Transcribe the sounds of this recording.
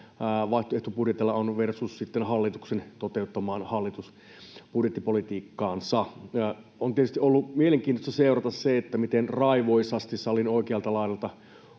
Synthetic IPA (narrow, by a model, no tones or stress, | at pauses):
ʋɑˑiht̪oeht̪upudjet̪ilːɑonʋersussit̪ːenhɑlːit̪uksent̪ot̪eut̪ːɑmɑːnhɑlːit̪us | pudjet̪ːipolit̪iːkːɑːnsɑ | ont̪iet̪yst̪iʔolːumieleŋkiːnt̪ost̪ɑseuɾɑt̪ɑsseet̪ːæmit̪enrɑiʋoisɑst̪issɑlinoikeɑlt̪ɑlɑiɑlt̪ɑ